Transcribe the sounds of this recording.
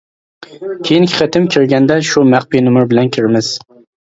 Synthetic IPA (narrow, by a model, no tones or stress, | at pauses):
kʲʰejiŋkʲʰɪ̥χət̪ʰɪmkʲʰɪɾɡʲɛnd̪ɛʃumæχpinʊmɪɾbɪlɛnkʲʰɪɾmɪz̥